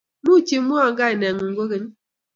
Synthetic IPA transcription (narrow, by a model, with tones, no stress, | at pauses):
nu˦t͡ʃi˦mu˦a˦˨ŋ˦ɡa˦e˨nɛ˨ŋu˨ŋ̩˦ɡo˦ɣe˦ɲ˦